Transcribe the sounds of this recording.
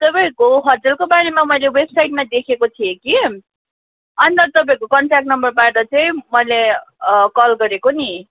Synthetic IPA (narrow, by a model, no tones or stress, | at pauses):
t̪ʌpãĩkoɦʌd͡zelkobaɽemamʌjlewebsajʈ̚mad̪ekʰekot̪ʰijeki | ʌnit̪ʌt̪ʌpãĩkokʌɳʈrak̚ʈnʌmbʌrbaʈʌt͡sʌĩmʌjlekʌlɡʌɾekoni